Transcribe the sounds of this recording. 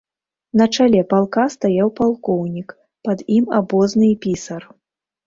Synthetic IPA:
nɐt͡ʂalʲɛpalˠkast̪ajawpalˠkɔwnʲik | pɐd̪ima̰bɔznɨpʲisɐr

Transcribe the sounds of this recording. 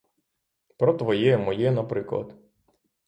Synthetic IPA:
pɾɔt̪ʋɔjɛjɛmɔjɛnɐpɾɪklˠɐ̰d̪

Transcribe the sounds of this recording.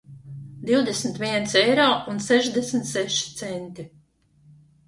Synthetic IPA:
d̪iwd̪esmt̪viɛnt̪sɛjɾɔːunsɛʒd̪esmʲt̪sɛʃi̥t̪sɛnt̪i

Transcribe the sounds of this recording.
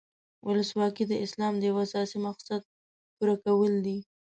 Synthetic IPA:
wʊləswɑkid̪əʔɪslɑmd̪əjawsɑsimaqsad̪̚ | puɾakawəld̪i

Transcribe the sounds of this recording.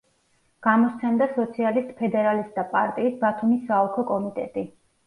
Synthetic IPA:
ɡ̥amɔst̪sʰɛnd̪asɔt̪sʰialist̪ʼpʰɛd̪ɛɾalist̪̚ʼd̪apʼa̰ɾt̪ʼiːsbat̪ʰumisːaɔkʰɔkʼɔmit̪ʼɛt̪ʼi

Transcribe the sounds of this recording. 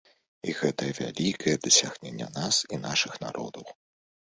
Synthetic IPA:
iɣɛt̪ɐjɐvʲa̰lʲikʰɐjɛd̪ɐsʲaɣnʲenʲːɐ̰nasinaʂɨxna̰ɾʔɔ̰d̪ɐw

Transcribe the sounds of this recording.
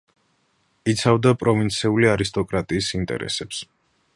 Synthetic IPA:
it̪sʰavd̪apʼɾɔvint̪sʰiuliaɾist̪ʼɔkʼɾat̪ʼiːsint̪ʼɛ̰ɾɛ̰sɛps

